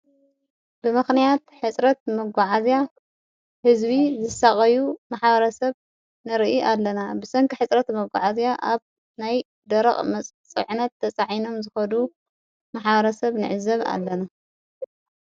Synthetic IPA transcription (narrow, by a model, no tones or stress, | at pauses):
bɨmɨxnijat̪ħɨt͡sʼɾɐt̪̚mɐɡʷaʕazja | hɨzβizɨsaχʼɐjumaħbɐɾɐsɐβ | nɨɾɨʔiʔalːɐnabɨsɐŋkʰɨħɨt͡sʼɾɐt̪mɐɡʷaʕazjaʔaβ | naj | d̪ɐɾɐχʼmɐt͡sʼt͡sʼɨʕɨnɐt̪ʰːɐt͡sʼaʕino̞mzɨxɐd̪u | maħbɐɾɐsɐβnɨ̰ʕɨzɐβa̰lːɐna